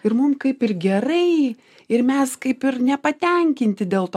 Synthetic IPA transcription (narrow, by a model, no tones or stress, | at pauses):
ɪɾmʊmkɐɪpɪrɡʲɛɾɐɪ | ɪɾmʲɛskɐɪpɪɾnʲɛpɐt̪ʲɛŋʲkʲɪnʲt̪ʲɪd̪ʲeːlˠt̪ː